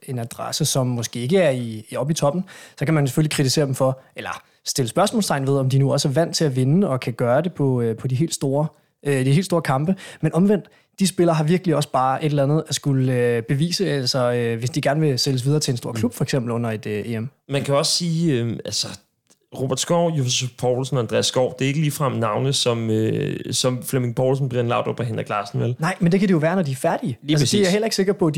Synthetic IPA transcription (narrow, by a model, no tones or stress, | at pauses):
e̝næd̥ʁɑ̰səsɒ̽mːɒ̽sɡ̥e̝̰ːe̝ɡ̥əæɐiːɒ̽b̥it͡sʰɒ̽b̥n̩sɒ̽kæmæns̬e̥følikʰʁit͡sʰise̝̰ɐd̥em̩fɒ̽ʔelɐ | sd̥e̝ləsb̥ɶɐsmɔ̰̽ːlst͡sʰɑ̈ɪnʋe̝ð̞ˠɒ̽md̥inuɒ̽sæɐʋæn̰d̥̚t͡sʰe̝æʋe̝nəɒ̽kʰæɡ̥ɶːɐde̝pʰɒ̽øpʰɒ̽d̥iɦe̝̰ːld̥sd̥o̝ːɐ | d̥ie̝̰ːl̥dsdo̝ːɐkʰɑ̈mb̥əmenʔɒ̽mʋen̰d̥ | d̥isb̥e̝lɐːɦɑ̈ʋiɐɡ̥liɒ̽sb̥ɑ̈ːʔe̝ɾ̥elænð̞̩ˠæsɡ̥uləøb̥e̝ʋḭːsəælsɒøʋe̝sd̥iɡ̥æɐnəʋe̝seləs̬ʋiðˠɐːt͡sʰe̝enso̝ɐ̰kʰlub̥fɒ̽eɡ̥sem̰b̥l̩ɔ̽n̰ɐe̝d̥ʔeːemmænkʰæɒ̽ssiːøælsə | ʁo̝b̥æɐ̰d̥sɡ̥ɒʊ̰jusufpʰɒʊlsn̩ɒænd̥ʁɛ̰æsːɡ̥ɒʊ̰d̥e̝ɐe̝ɡ̥əliːfʁɑ̈m̰nɑ̈ʊnəsɒ̽møsɒ̽mflemeŋɡpʰɒʊlsn̩b̥ʁenlɑ̈ʊd̥ɒb̥ʰɒɦenɐɡ̥lɑ̈ːsn̩ʋelnɑ̈ɪ̰mend̥e̝kʰæd̥ejo̝ʋæːɐnɒd̥iæɐfæɐd̥iəælsə̥iahel̰ɐe̝ɡ̥se̝ɡ̥ɐpʰɒ̽d̥i